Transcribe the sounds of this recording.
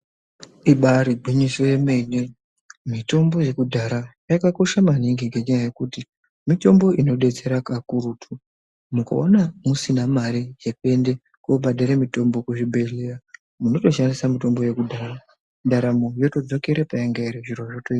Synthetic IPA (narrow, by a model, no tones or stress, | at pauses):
iɓaɾiɡʱiɲisoje̞me̞ne | mito̞mbo̞je̞kudʱaɾajakako̞ʃamaniŋɡiŋɡe̞ɲajaje̞kuti | mito̞mbo̞ʔino̞ɗe̞t͡se̞ɾakakuɾutʰu | muka̰onamusinamaɾijepe̞nde̞ | kuoɓaɗaɾemito̞mbo̞kuʐibʱe̞ɮera | muno̞to̞ʃandisamito̞mbo̞je̞kudʱaːra | ndaɾamojo̞to̞d͡zo̞ke̞ɾepajeŋɡaiɾiʐiroʐotoi